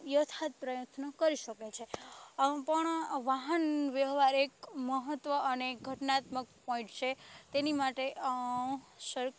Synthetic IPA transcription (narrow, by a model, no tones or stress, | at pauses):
jət̪ʰat̪̚pɾəjət̪nəkəɾiʃəket͡ʃʰe | pəɳʋaɦənʋjəɦʋaɾekməɦət̪ːʋəʔːneɡʱəʈnaːt̪mək̚pɔ̃ĩʈt͡ʃʰet̪enimaʈe | ʃəɾ